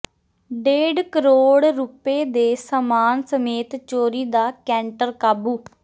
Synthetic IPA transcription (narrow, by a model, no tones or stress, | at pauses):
ɖeːɖkəɾoːɽɾupeːd̪eːsəmaːnsəmeːt̪t͡ʃoːɾiːd̪aːkɛ̃ːɳʈəɾkaːbuː